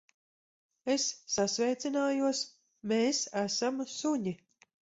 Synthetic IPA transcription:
esːasvʲɛjt̪sʲinaːjuɔs | meːsæsamsuɲi

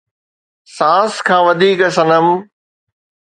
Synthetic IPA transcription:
sãːskʰãːʋɐd̪ʱiːkɐsɐ̃nəm

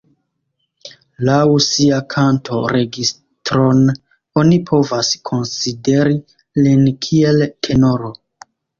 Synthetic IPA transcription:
lawsiakʰantʰo̞ɾe̞ɡis | tɾo̞n | o̞nipʰo̞vaskʰo̞nside̞ɾi | linkʰie̞ltʰe̞no̞ɾo

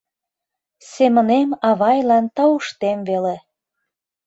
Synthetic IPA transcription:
semə̆nemɑβɑjlɑnt̪ɑuʃt̪emvele

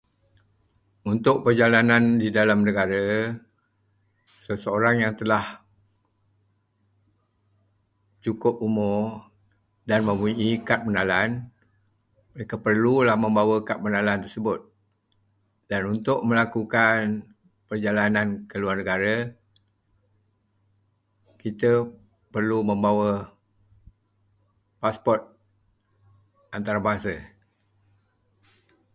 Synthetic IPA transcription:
unt̪ʊʔ̚pərd͡ʒalanandidalamnəɡaɾə | səsəoɾaŋjaŋt̪əlah | t͡ʃukʊp̚umʊ | danmə̃muiʔikat̪̚mənalan | məɾekapərlulahmə̃mbawəkat̪̚mənalant̪ərsəbʊt̪̚ | d̥anunt̪ʊʔməlakukan | pərd͡ʒalanankəluarnəɡaɾə | kit̪ə | pərlumə̃mbawə | paspɔrt̪̚ | ant̪aɾabaɦasə

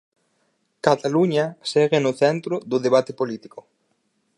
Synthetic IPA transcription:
kat̪aluɲasɛɣenʊθɛnt̪ɾʊd̪ʊðeβ̞at̪epolit̪i̥ko

